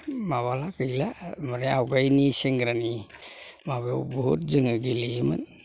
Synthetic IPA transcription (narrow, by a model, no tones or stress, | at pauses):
maβalakɯjlamaɾeawɡajniseŋɡɾani | maβewbɔɦut̚zəŋaɡilima̰n